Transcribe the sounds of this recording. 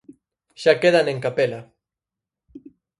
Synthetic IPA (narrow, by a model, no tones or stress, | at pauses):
ʃakeðaneŋkapela